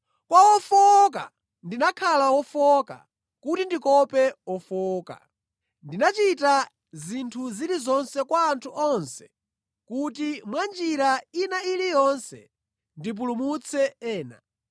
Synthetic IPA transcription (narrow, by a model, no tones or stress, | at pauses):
kwawɔfɔka̰ | ndinakʰalawɔfɔka̰ | kutindikɔpɛɔfɔːka̰ | ndinat͡ʃita | zintʰuziɾizɔnsɛkwaːntʰuʔɔnsɛ̥ | kutimwand͡ʒiɾainailijɔnsɛ̰ | ndip̬ulumut͡sʰɛɛːna̰